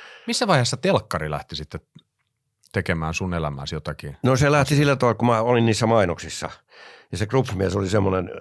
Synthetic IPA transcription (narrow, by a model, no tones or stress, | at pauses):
misːæʋɑihesːɑt̪elkːɑrilæ̰ht̪isit̪ːe | t̪ekemæːnsunelæmæ̰ˑsjot̪ɑkinnoselæht̪isilːæt̪olkumæolinniːsːæmɑinoksisːɑ̰ | jɑsekrupːmiesolisemːonen